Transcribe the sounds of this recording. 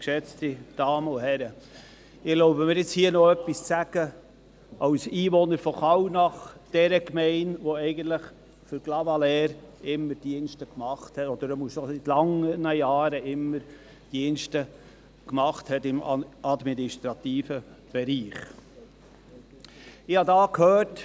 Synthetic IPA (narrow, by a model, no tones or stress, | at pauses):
kʃɛt͡stid̥ɑːməʊhɛɾə | ɪloʊbəmɪɾjɪt͡shiːənoœpːist͡sæɡ̥ə | ʔɑwsiːʋonəɾfɔχɑwnɑχd̥ɛɾəkmɛɪnʋoɛɪɡənt̪ləχ | fʏɾɡ̥lɑvɑlɛːɾɪmːəɾd̥iənʃtəkmɑχthɛtɔd̥̪əɾəmusosit̪lɑŋənəjɑːɾəʔɪmːəɾ | d̥iənʃtə | kmɑχt̪hɛtɪmɑd̪minɪʃtɾɑt̪iːfə | b̥ɛɾiːχ | ɪhɑdɑːkhøːt